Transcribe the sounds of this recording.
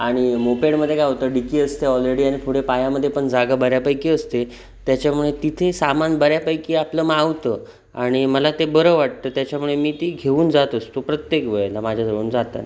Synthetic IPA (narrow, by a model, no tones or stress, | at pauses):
aɽ̃imopeɽməd̪ʱːjekaaʋt̪əɖikiːəst̪eɔlɾeɽiːaɽ̃ipʰuɽepajaməd̪ʱːjepəɳd͡zaɡabəɾjapajkiːəst̪e | t̪jat͡ɕjamuɭet̪it̪ʰesamanbəɾjapajkiːapləmaʋt̪əː | aɽ̃iməlat̪ebəɾəʋaʈ̚t̪əːt̪jat͡ɕamuɭemiːt̪iːɡʱeuːnd͡zat̪əst̪opɾət̪jekʋəɭelamad͡ʑʱjasəuːnd͡zat̪a̰n